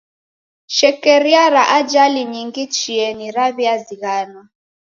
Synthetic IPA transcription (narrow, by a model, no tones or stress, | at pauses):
ʃɛkɛɾiaɾaʔad͡ʒaliɲiŋɡit͡ʃiɛniɾaβiaziɣaːnwa